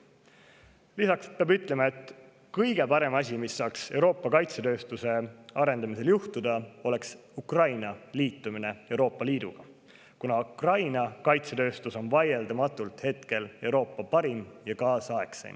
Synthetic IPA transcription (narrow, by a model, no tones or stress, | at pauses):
lisɑkspeɑːbyt̪ˑle̞mɑe̞t̪ː | kɤjɡ̥e̞pɑɾe̞mɑs̬ʲimisːɑːkse̞wɾo̞ːpːˑɑkɑjt̪set̪øːst̪use̞ɑɾe̞nd̪ɑmise̞ljuht̪ud̪̥ɑo̞le̞ks | ukrɑjnɑliːt̪ːˑumine̞e̞wɾo̞ːpːˑɑliːd̪uɡ̥ɑ | kunɑukrɑjnɑkɑjt̪set̪øːst̪uso̞nvɑje̞ld̪ɑmɑt̪ːˑult̪he̞t̪ke̞le̞wɾo̞ːpːɑpɑɾimjɑkɑːsɑe̞ksḛjn